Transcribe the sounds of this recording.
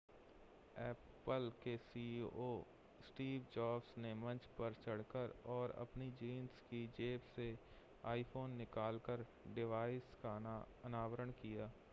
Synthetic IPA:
ɛː | pəlkesiːoː | sʈiːʋd͡ʒaːpsnemɐ̃nt͡ʃpəɾt͡ʃəɽkəɾɔːɾɐ̰pnid͡ʒiːnskid͡ʒeːbse | aːipʰoːnːɪkaːlkəɾ | ɖɪʋaːɪska | ənaːʋəɾəɳkijaː

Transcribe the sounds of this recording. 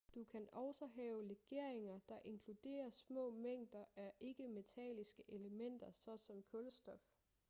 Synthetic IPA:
d̥ukʰænɒʊsɒɦɛːʊʁeɡ̥e̝ɐ̰eŋɐd̥ɑ̈ʔe̝nkʰlud̥e̝̰ːɐsmɔ̰̽ːmeŋ̰d̥ɐʔæʔe̝ɡ̥əme̝t͡sʰɛ̰lisɡ̥əʔeləmen̰d̥ɐsɒ̽sɒ̽mkʰɔlsd̥ɒf

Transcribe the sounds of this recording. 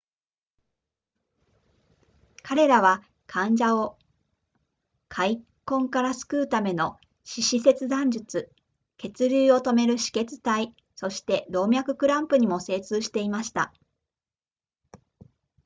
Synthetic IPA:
kʰaɾe̞ɾaβ̞a | kʰãɲd͡ʑao | kʰaikõ̞ŋkaɾasɨ̥kɯ̟ːt̪ame̞no̞ | ɕiɕise̞t͡sɨd̪ãɲ̟d͡ʑɨt͡sɨ | ke̞t͡sɨɾʲɨːo̞t̪o̞me̞ɾɯ̟ɕi̥ke̞t͡sɨ̥t̪ai | so̞ɕi̥t̪e̞d̪o̞ːmʲjakɯ̟kɯ̟ɾãmpɯ̟ɲ̟imo̞se̞ːt͡sɨːɕi̥t̪e̞imaɕi̥t̪a̰

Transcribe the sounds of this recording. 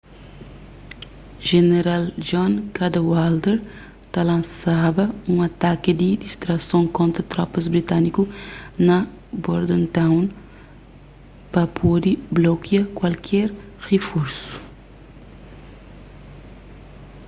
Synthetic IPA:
ʒeneɾald͡ʒɔ̃nkad̪ɐwald̪eɾ | t̪alɐ̃nsabɐũŋat̪akɪd̪id̪ist̪ɾɐsõŋkõnt̪ɾɐt̪ɾɔpɐzbɾit̪anikunɐ | boɾd̪ẽnt̪ãwn | pɐpʰod̪iblokjakwalkʰɛɾ | ʁefuɾsu̥

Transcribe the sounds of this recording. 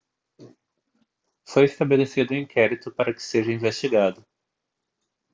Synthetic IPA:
fojɪst̪abelesid̪ʊĩkʰɛɾit̪ʊpaɾɐkɪ̥seʒɐĩvest͡ʃiɡad̪ʊ

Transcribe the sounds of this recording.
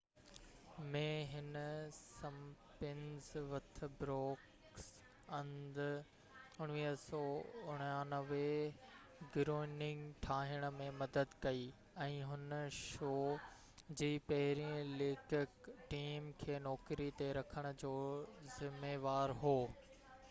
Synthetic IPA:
mẽɦɪnsɐmpɪnzʋɐt̪̆ʰbɾɔːk | s | ɐ̃nd̪ | ʊɽ̃ʋiːɦsɔːʊɽ̃jãːnɐʋe | ɡɾoːɪnɪ̃ŋɡʈʰaːɦɪəɽ̃ə̆mẽmɐd̪əd̪kɐi | ɛ̃ːɦʊnəʃoː | d͡ʑiːpɐɦɪɾiə̃lɪkkʈiːmkʰeːnɔːkɾit̪eɾɐkʰəɽ̃ʊ̆d͡ʑoːzɪmeːʋaːɾɦoː

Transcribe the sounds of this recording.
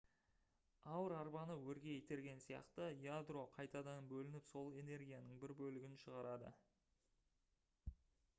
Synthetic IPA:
ɑwəɾɑɾbɑnəwɵɾɡʲe̞et̪e̞ɾɡʲe̞nsijɑ̰qt̪əjad̪ro̞qʰɑjt̪ɑd̪ɑnbɵlɪnɪpso̞lˠe̞ne̞ɾɡʲijanəɴbɪɾbɵlɪɡʲɪnʃəʁɑɾɑd̪ə̰

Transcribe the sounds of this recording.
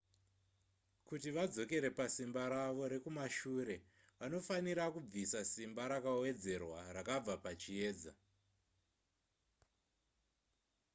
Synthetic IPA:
kutiʋad͡zo̞ke̞ɾe̞pasimbaɾaʋo̞ɾe̞kumaʃuːɾe̞ | ʋano̞faniɾakub͡visasimbaɾakawe̞d͡ze̞rwarakab͡vapat͡ʃie̞ːd͡za̰

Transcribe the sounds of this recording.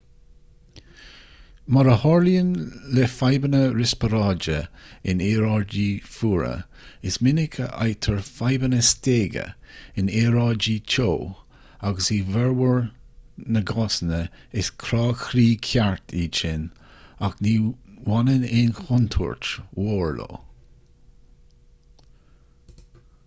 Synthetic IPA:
maɾəhɔɹljənlɛfajbənəɾɪspəɾɑːd͡ʒəɪneːɾɑɹd͡ʒiːfuːɹə̰ | ɪsmɪnɪkʰə̰ʔa̰jt̪ʰəɹfajbənəsteːɡə̰ | ɪneːɾɑːd͡ʒiːt͡ʃʰoː | aɡəsiːvɛɹwəɹ | nəɡɑsnə | ɪskʰɾɑːxɾiːkʰjaɹt̪ʰiːt͡ʃɪn | akniːwanənɪnxʊnt̪ʰṵɹtwoːɹlo̰ː

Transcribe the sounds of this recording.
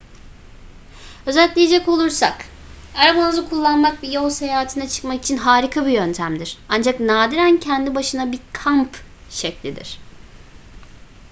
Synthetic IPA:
ø̞zælʲt̪lʲijed͡ʒɛco̞lˠuɾsak | aɾabanɯzɯkʰulˠːanmak̚bijo̞lˠse̞jaːɦːt̪ʰɯnat͡ʃʰɯ̥kmaki̥t͡ʃʰinɦaːɾikʰabijønt̪ʰæmd̪iɾ̥and͡ʒaknaːd̪iɾæncʰɛnd̪ibaʃɯnabiɾkʰampʃɛclʲid̪ḭɾ̥

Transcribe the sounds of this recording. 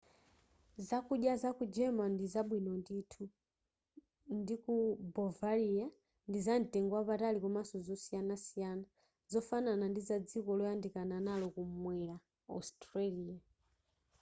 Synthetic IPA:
zakuɗjazakud͡ʒɛmandizaɓwinɔnditʰu | ndikubɔvalija | ndizan̩tɛŋɡwapatalikumasɔzɔsijanasijana | zɔfananandizad͡zikɔlɔjandikananalɔkum̩mwɛla | a̰stɾaliːja

